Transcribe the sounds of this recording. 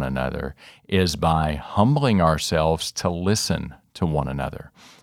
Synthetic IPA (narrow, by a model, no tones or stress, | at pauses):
nənʌ̰ðə̰˞ʔɪzbaɪhʌ̃mblˠɪ̃ŋaə˞sɛlˠvz̥tʰəlɪsɨ̃ntʰəwʌ̃nɨnʌ̰ðə̰˞